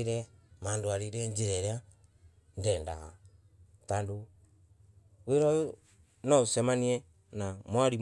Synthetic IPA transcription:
ɾɛmaːndoaɾiɾɛɲd͡ʒiɾɛɾea | ndɛːnda̰ɣa̰ | tandu | weɾɔu | nɔusɛmaniɛ | namwaɾi

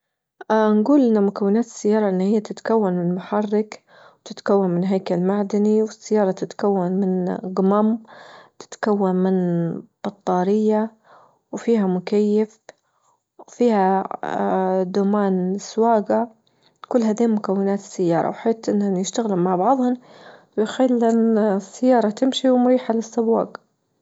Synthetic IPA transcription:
ʔnɡuːlʔɪnːamʊkawːɪnaːt̪ɪ̥sːajːɑːɾˤɑʔɪnːahɪjːat̪ɪt̪kawːanmɪnmaħɑrːɪk | wt̪ɪt̪kawːanmɪnɦaːkalmaʕd̪aniwɪsːajːɑːɾˤɑt̪ɪt̪kawːanmɪnɡʊmamt̪ɪ̥t̪kawːanmɪnb̥ɑt̪ˤːɑːɾɪjːa | wfiːɦamʊkajːaf | fiːha | d̪umaːnswaːɡa | kʊlːhad̪iːmʊkawːɪnaːt̪ɪ̥sːajːɑːɾˤɑ̰wħaːt̪ʔɪnːanjɪʃt̪aɣlammaʕbɑʕðˤhʊmwɪjxalːʔansːajːɑːɾˤɑt̪ɪmʃiwmʊɾiːħalɪsːabːa̰ːɡ

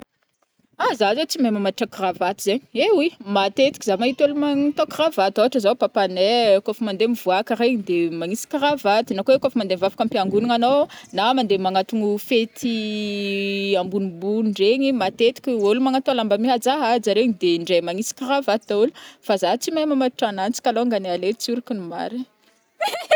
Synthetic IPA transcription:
azazot͡simemamaʈ͡ʂakravat̪izeɲewimat̪et̪i̥kizamaɦit̪olumaŋat̪okravat̪oaʈ͡ʂəzapapanɛkofəmand̪emivuakaɾeɲid̪emaŋisi̥kiravat̪inakoekofəmand̪emvavḁkampiaŋɡuniŋanonamand̪emaŋat̪uŋufet̪ʰi | ambunibuɳɖ͡ʐeɲimat̪et̪i̥kʲiolumaŋat̪oalambamiɦad͡zaɦad͡zaɾeɲid̪eɳɖ͡ʐemaŋisi̥kiravad̪aulufazat͡simamamaɾuʈ͡ʂanant͡si̥kʲaloŋɡanealet͡suɾikinuma̰ɾi

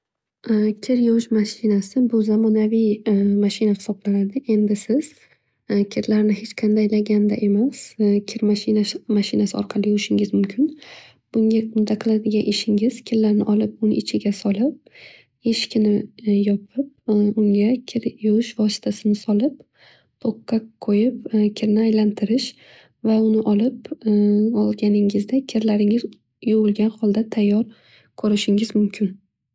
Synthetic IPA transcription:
kʲʰɪɾjoʃmaʃɪnasɪbʊzamɒnavijmaʃɪnahɪ̥sɒblanad̪ɪʔe̞nd̪ɪsɪz̥ | kʲʰɪɾlaɾnɪhet͡ʃqʰɑnd̪ajlaɡʲand̪a̰ʔe̞maskʲʰɪɾmaʃɪnamaʃɪnasɪɒ̰ɾqʰɑlˠɪjoʃɪŋʲɪzmʊmkʲʰɪn | b̥ʊŋɡʲaʊd̪aqʰɨlˠad̪ɪɡʲaʔeʃɪŋɪz̥kʲʰɪɾlaɾnɪʔɒlˠɪp̚ʊnɪ̰ʔɪt͡ʃʰɪɡʲasɒlˠɪp̚ | eʃkʲʰɪnɪjɒpʰɪp̚ʊŋʲakʲʰɪɾjʊʊʃvɒsɪ̥t̪ʰasɪnɪsɒlˠɪp̚ | t̪ʰoqːɑqʰːojɪpkʲʰɪɾnɪajlant̪ʰɪɾɪʃ | vaʊnɪʔɒlˠɪp | ɒlˠɡʲanɪŋɪzd̪akʲʰɪɾlaɾɪŋɪz | jowʊlˠɡʲanχhɒlˠd̪at̪ʰajːɒɾ | kʰɵɾɪʃɪŋɪzmʊmkʲʰɪn

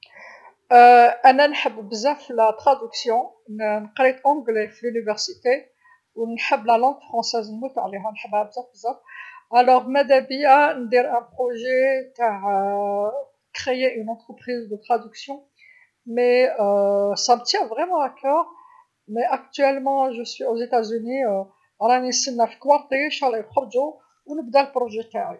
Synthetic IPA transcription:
əʔænænħəbːbəzæfilat̪χad̪yksjɔ̃ | nqɾit̪ɑ̃ɡlefilynivɛʁsit̪e | wnħəbːlælɑ̃ɡ̪fχɑ̃sɛznmut̪əʕliɦænħəbhæbzæ̃fəzæfʔælɔʁmæd̪æbijand̪iɾʔæ̃pχoʒet̪aʕ | kχejeʔynɑ̃t̪χəpχizd̪ət̪χad̪yksjɔ̃ | mɛ | sæmət̪jæ̃vʁɛmɑ̃akɔʁ | mɛʔak̚t̪ɥɛlmɑ̃ʒəswiozet̪azyni | ɾˤɑnisənːæfi̥kwɑɾt̪eʃaʁlelχəɾd̪o | wnəbd̪ælpɾoʒet̪aʕi

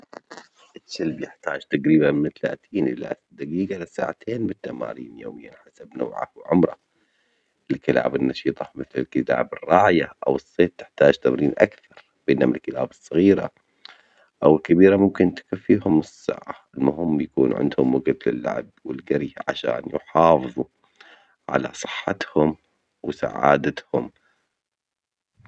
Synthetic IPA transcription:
ʔɪalbjɪħt̪aːd͡ʒt̪aɡɾiːbanmɪnt̪ala̰ːt̪ʰiːnʔɪlːa̰ | d̪aɡiːɡalɪsa̰ːʕat̪ʰeːnbɪt̪ːama̰ːɾḭːnjoːmɪjːanħasabno̰ːʕa̰wʕʊmɾˤɑ̰ | ʔɪlkɪla̰ːbɪnːɑʃiːt̪ˤɑmɪθlɪlkɪt̪a̰ːbɪrˤːɑːʕjaʔawɨsˤːeːt̪ːɪ̥ħt̪aːd͡ʒt̪amɾiːnʔakθɑɾˤ | b̥eːnhʊmɪlkːɪlaːbɨsˤːɑɣiːɾa̰ | ʔawɪlkabiːɾamʊmkɪnt̪ɪ̥kafːihʊmɪsːa̰ːʕaɪlmʊhɪmːjakuːnʕɪ̰nd̪hʊmwaɡat̪lɪlːa̰ʕb̚wɪlɡaɾjʕa̰ʃa̰ːnjʊħɑːfɨðˤu | ʕa̰la̰sˤɨ̥ħːat̪hʊm | wsa̰ʕa̰ːd̪at̪hʊm

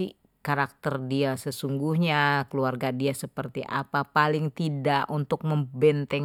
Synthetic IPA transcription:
i | kaɾak̚t̪ərdiasəsuŋɡuhɲakəluarɡadiasəpərt̪iʔa̰papalɪŋt̪idaʔunt̪ʊk̚məmbɛnt̪ɛŋ

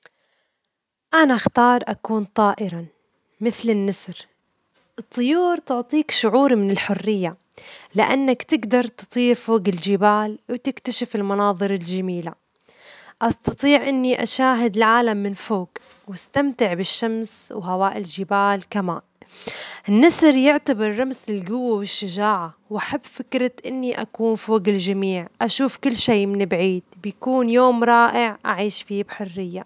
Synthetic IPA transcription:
ʔanaxt̪ɑːɾˤʔakuːnt̪ˤɑːʔɪɾɑ | mɪθlɪnːɪsɾ | ʔɨt̪ˤːɨjuːɾt̪ʊʕt̪ˤiːkʃʊʕuːɾmɪnɪlħʊrːɪjːa | lɪʔa̰nːakt̪ɪɡd̪ɑɾˤt̪ɨ̥t̪ˤiːɾfoːɡɪld͡ʒɪbaːlwt̪ɪkt̪aʃɪfɪlmɑnɑːðˤɨɾɪld͡ʒamiːla | ʔɑst̪ɑt̪ˤiːʕʔɪnːiʔa̰ʃaːɦɪd̪ɪlʕaːlamːɪnfoːɡ | wast̪amt̪ɪʕbɪʃːamswɦawaːʔɪlʒɪbaːlkama̰ːn | ʔɪnːɑsɾjɪʕt̪abɪɾˤːamsɪlɡʊwːawɪʃːaʒaːʕa | wʔaħabːfɪkɾɪt̪ʔɪnːiʔakuːnfoːɡɪld͡ʒamiːʕʔaʃuːfkɪlːʃeːʔmɪnɪbʕiːd̪̥̚bjakuːnjoːmɾˤɑːʔɪʕʔaʕiːʃfibħʊrːɪjːa

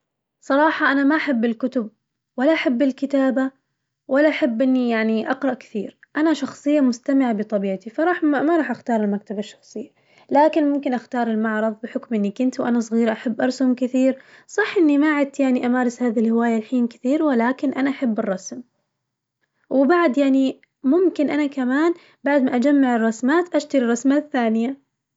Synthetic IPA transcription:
sˤɑɾˤɑːħɑʔanamaʔaħabːɪlkʊt̪ʊb̚ | walːaʔaħabːɪlkɪt̪aːba | walːaʔaħabːʔɪnːijaʕniʔɑqɾˤɑʔkɪ̥θiːɾʔanaʃɑxsˤɨjːamʊst̪amɪʕabɪt̪ˤɑbiːʕt̪ifɑɾˤɑːħmamaɾˤɑːħʔaxt̪ɑːɾˤɪlmak̚t̪abaʃːɑ̥xsˤɨjːa | laːkɪnmʊmkɪnʔaxt̪ɑːɾˤɪlmɑʕɾˤɑðˤbɪħʊkmʔɪnːikɪnt̪wʔanas̬ˤɣiːɾʔaħabːʔɑɾˤsʊmkɪθiːɾsˤɑħːʔɪnːimaʕɪd̪̚t̪ːjaʕniʔamaːɾˤɪshaːðilhɪwaːjalħiːnkɪ̥θiːɾwɪlaːkɪnʔanaʔaħabːɪrˤːɑsm | wɪbaʕd̪jaʕni | mʊmkɪnʔanakamaːn | baʕd̪maʔad͡ʒamːaʕɪrˤːɑsmaːt̪ʔaʃt̪aɾirˤːɑsmaθːaːnɪja

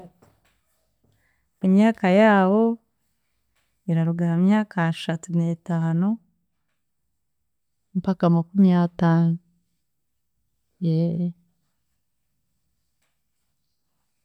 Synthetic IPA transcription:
imɲaːkajaːwo̞ | iɾaɾuɡaɾamɲaːkʰaʃatunetaːnu | mpakamakumijataːnu | je

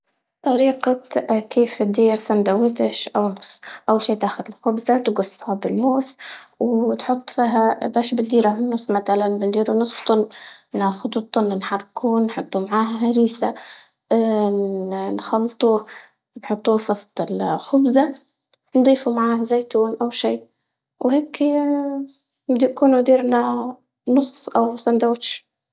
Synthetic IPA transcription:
t̪ˤɑɾiːqakeːft̪̚d̪iːɾsand̪awːɪt̪ɪʃʔawnʊsˤːʔawːalʃiːt̪aːxʊd̪ɪlxʊbzat̪ɡʊsˤːhabɪlmoːswt̪ħʊt̪ˤːfiːɦabaːʃbɪt̪d̪iːɾahnːʊsˤmat̪alanbɪnd̪iːɾunʊsˤft̪ˤɑnːnaːxʊd̪ut̪ˤːɑnːnħɑrˤːkuːnːħʊt̪ˤːumaʕaːɦaɦaɾiːsa | nxɑlːt̪ˤuː | nħʊt̪ˤːuːfɑsˤt̪ˤɪlxʊbza | nd̪ˤiːfumaʕaːhzeːt̪uːnʔawʃiː | wheːk | md̪iːkuːnud̪iːɾna | nʊsˤːʔawsand̪aːʃ

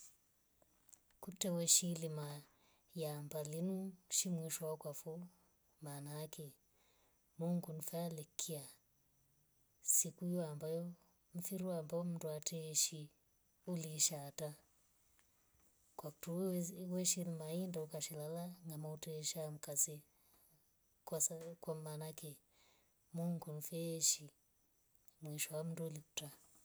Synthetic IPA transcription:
kutɛwɛʃilima | jambalinuʃimwiʃɔwakwafɔ | maːnakɛ | muŋɡunifaalɛkʰia | sikuijɔambajɔ | m̩fiɾuaambaɔm̩nduatʰɛʃi | uliːʃata | kwaku̥tuwɛʃilmaindaukaʃɛlalaŋɡamautɛʃam̩kazi | kwaskwamanakɛ | muŋɡunifɛʃi | mwiʃɔwam̩nduuliku̥ta

